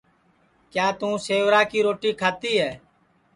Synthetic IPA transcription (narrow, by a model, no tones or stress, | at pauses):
kjaːt̪ũːseːʋɾaːkiːɾoːʈiːkʰaːt̪iːɦɛː